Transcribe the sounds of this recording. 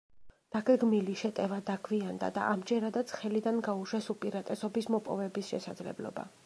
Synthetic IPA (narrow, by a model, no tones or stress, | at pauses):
d̪̥aɡɛɡmiliʃɛt̪ʼɛvad̪akʰviand̪a̰d̪a̰ʔamd͡ʒɛɾad̪at̪sʰχɛlid̪anɡauʃɛsupʼiɾat̪ʼɛsɔbismɔpʼɔ̰vɛbisʃɛ̰sa̰d̪zlɛ̰blɔ̰ba̰